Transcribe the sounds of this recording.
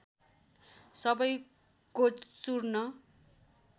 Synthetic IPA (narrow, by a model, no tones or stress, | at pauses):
sʌbʌj | kot͡surnʌ